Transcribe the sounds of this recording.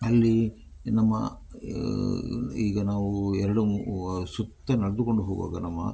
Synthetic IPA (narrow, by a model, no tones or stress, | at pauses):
ɐlːi | nɐmːɐ̰ | iːɡɐnaːʋuɛɾɐɽusut̪ːɐnɐɽɐd̪uko̞ɳɖuɦoːɡa̰ːɡɐnɐmːɐ̰